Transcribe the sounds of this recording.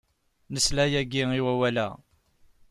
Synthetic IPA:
nəslæjæɡiiwæwælæ̰

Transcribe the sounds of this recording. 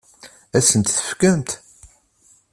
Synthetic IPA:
æsənt̪θə̥fkæmt̪

